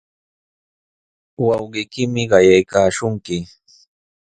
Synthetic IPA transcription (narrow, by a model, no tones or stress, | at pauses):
wɑwɢɪjkɪmɪɢɑjajkaːʃʊŋkɪ